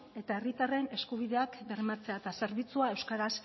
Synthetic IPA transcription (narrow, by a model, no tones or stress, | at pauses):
e̞t̪ae̞rit̪are̞ne̞skuβ̞iðe̞akbe̞ɾmat͡se̞at̪ase̞ɾβ̞it͡suaewskaɾas